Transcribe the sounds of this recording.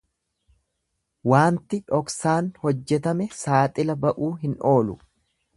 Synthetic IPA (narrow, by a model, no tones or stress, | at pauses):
waːnt̪ɪᶑɔksaːnhɔd͡ʒːɛt̪ɐmɛsaːt̪ʼɪlɐbɐʔuːɦɪnʔo̞ːlʊ̰